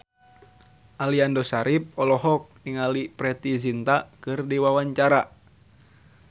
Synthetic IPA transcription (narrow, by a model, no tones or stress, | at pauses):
ʔaliandɔsaɾip̚ɔlɔɦɔk̚niŋalipɾɛt̪izint̪akɨrdiwawaɲt͡ʃaɾa